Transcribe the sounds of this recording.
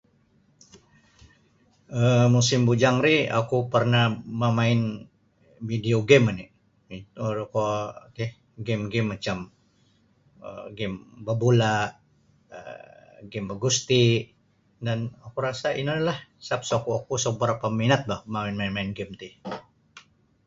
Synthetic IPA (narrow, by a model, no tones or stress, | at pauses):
əmusɪmbud͡ʒaŋɾia̰kupərnaməmaɪn | vidioɡɛmani | it̪uɾkot̪ih | ɡɛmɡɛmːat͡ʃam | ə̰ɡɛmbəbulaʔ | ə̰ɡɛmbəɡust̪i | danakuɾasaḭnanlahsap̚sokuakusəbəɾapaminat̪̚bahmamɪnmainmaɪnɡɛmt̪i